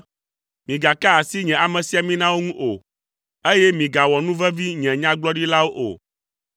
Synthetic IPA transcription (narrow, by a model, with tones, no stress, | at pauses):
mĩ˨ɡa˨ka˦a˨si˦ɲɛ̃˨a˨mɛ̃˨si˨a˨mĩ˦nã˦wo˦ŋũ˦ʔo˨ | e˦jɛ˦mĩ˨ɡa˨wɔ˨nũ˦vɛ˦vi˦ɲɛ̃˨ɲã˦ɡ͡blɔ˦ɖi˦la˦wo˦ʔo̰˨